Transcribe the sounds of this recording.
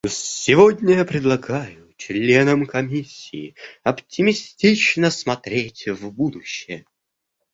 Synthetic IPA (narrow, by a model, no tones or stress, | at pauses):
sʲɪvodʲnʲəjapɾʲɪd̪lˠɐɡajʊt͡ɕlʲe̞nəmkɐmʲisʲːiːɐptʲɪmʲɪsʲtʲit͡ɕnəsmɐt̪ɾʲetʲvbud̪ʊɕːɪjə